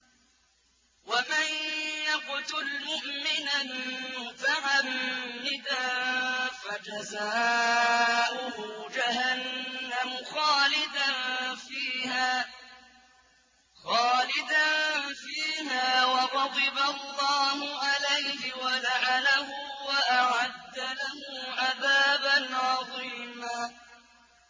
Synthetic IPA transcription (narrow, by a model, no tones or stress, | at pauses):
wamanjaqʊt̪ʊlmʊʔmɪnamʊt̪aʕamːɪd̪a | fad͡ʒazaː | ʔʊhʊd͡ʒaɦanːamʊxaːlɪd̪anfiːhaː | xɑːlɪd̪anfiːmaːwɑɾˤɑd̪ˤɨbalːɑːhʊʕalajhɪwalaʕalahʊːwaʔaʕad̪ːalahʊːʔaðaːbanʕɑðˤiːmaː